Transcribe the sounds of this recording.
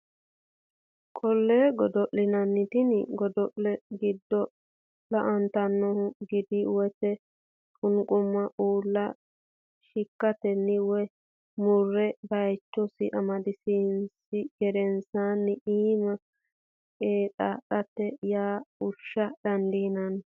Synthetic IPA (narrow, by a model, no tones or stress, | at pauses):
kʼɔlːeːɡɔd̪ɔʔːɪnɐnːɪt̪ɪnɡɔd̪ɔʔlɛɡɪd̪ːɔ | lɐʔɐnt̪ɐnːɔhʊɡɪd̪ɪwɔt̪ɛ | kʼʊŋkʼʊmːɐʔuːlːɐ | ʃɪkːɐt̪ɛnːɪwɛ | mʊrːɛbɐjt͡ʃːɔsɪʔɐmɐd̪ɪsinsɪɡɛɾɛnsaːnːɪiːmɐ | eːt̪ʼa̰ɗɐt̪ːɛjaːʊʃːɐd̪̥ɐnd̪inɐn